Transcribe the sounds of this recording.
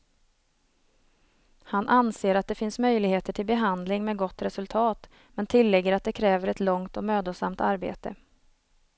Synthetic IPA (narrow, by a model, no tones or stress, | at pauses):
hanʔanseːɾat̪̚d̪ɛfɪnsmœjlɪɡheːt̪əʈʰɪlbɛɦand̪lɪŋmɛːɡɔt̪ːɾɛsɵlt̪ʰɑːt̪ | mɛnt̪ʰɪlːɛɡːəɾat̪̚d̪ɛkʰɾɛːvəɾɛt̪lɔŋt̪ɔmøːd̪ʊsamt̪aɾbḛːt̪ə